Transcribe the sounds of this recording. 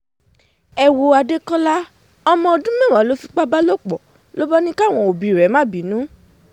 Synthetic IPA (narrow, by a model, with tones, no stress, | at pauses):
ɛ˨wo˧a˧de˦kɔ̃˦la˦ | ɔ˧mɔ̃˧ɔ˧˨dũ˦mɛ̃˦˨wa˨˦lo˦fi˧k͡pa˦ba˦lo˦˨k͡pɔ˨ | lo˦bɔ˦nĩ˦ka˦˨w̃ɔ̃˧˨o˨bi˨ɾɛ˨˦mã˦˨bi˨˦nũ˨˦